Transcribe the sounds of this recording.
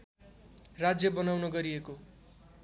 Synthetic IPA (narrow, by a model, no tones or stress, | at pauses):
rad͡zjʌbʌnawnʌɡʌɾieko